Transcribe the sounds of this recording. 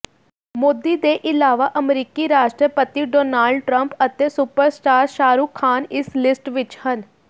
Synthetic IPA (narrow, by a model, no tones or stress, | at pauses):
moːd̪ːiːd̪eːʔɪlaːʋaːʔəmɾiːkiːɾaːʃʈɾəpət̪iːɖoːnaːlɖʈɾəmpət̪eːsʊpəɾsʈaːɾʃaːɾuːkʰːaːnɪslɪsʈʋɪt͡ʃhən